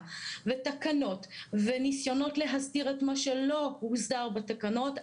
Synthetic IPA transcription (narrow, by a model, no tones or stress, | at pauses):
vetakano̞tvenisjo̞no̞tle̞ɦazdiʁetmaʃelo̞uzdaʁbatakano̞t